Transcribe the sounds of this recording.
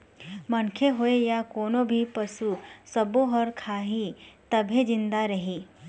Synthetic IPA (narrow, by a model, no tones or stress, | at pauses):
mɐnkʰeɦoejakoːnõbʱipɐsusɐbõɦɐɾkʰaːɦit̪ɐbʱed͡ʒɪ̃nd̪aɾɐɦiː